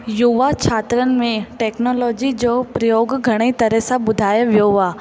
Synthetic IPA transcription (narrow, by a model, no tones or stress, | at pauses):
juʋat͡ʃʰaːt̪ɾənɪ̆mẽʈeːknɔːlɔːd͡ʒid͡ʑoːpɾɐjoːɡɡʱɐɽ̃et̪ɐɾəɦsabʊd̪ʱaːjʋjoaː